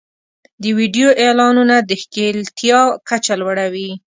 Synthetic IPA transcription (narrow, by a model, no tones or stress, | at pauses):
d̪əwiɖijoʔelɑnunad̪əxkelt̪ʰjɑkat͡ʃalwaɽawi